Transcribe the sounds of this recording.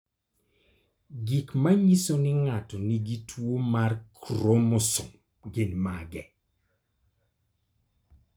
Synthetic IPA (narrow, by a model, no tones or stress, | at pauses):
ɡikmaɲisonɪŋatɔniɡitʰwomarkɾomʊsʊm | ɡɪnmaɡɛ